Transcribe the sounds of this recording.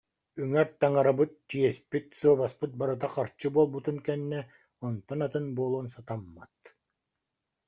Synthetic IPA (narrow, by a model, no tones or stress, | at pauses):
yŋɛɾt̪aŋaɾabɯt̪ːiɛspit̪suɔbaspɯt̪̚baɾɯt̪̬aqaɾt͡ɕːɯbuɔlˠbut̪unkɛnːɛ | ɔnt̪ɔnat̪ɯnbuːlˠoːnsat̪amːat̪